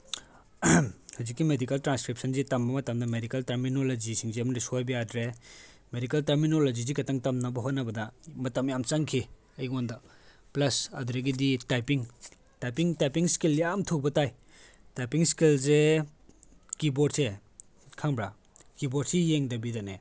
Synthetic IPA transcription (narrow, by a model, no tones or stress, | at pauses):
hazikːimedikɐltɾanskɾip̚sʰɐnzitɐmbɐmɐtɐmdɐmedikɐltɐɾminolod͡ʒisiŋzeɐmɐɾisojbijadɾe | medikɐltɐɾminolod͡ʒizikɐtaŋtɐmnɐbɐɦot̚nɐbɐdɐmɐtɐmjamt͡ʃaŋkʰi | ɐjondɐ | plɐsɐ̰dɾeɡiditajpiŋ | tajpiŋtajpiŋskiljamtʰubɐtaj | tajpiŋskilze | kibod̚se | kʰaŋbɾa | kiboɾ̚sijeŋdɐbidane